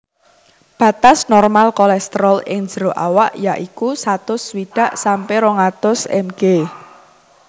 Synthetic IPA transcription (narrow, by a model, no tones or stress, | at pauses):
b̥ä̤t̪asnɔrmalkɔlɛst̪ɾɔlɪ̰ŋ̥d͡ʒ̥əɾoʔawaʔjaʔikusat̪ʊswiɖ̥a̤ʔsampeɾoŋat̪ʊsɛ̰mɡ̥e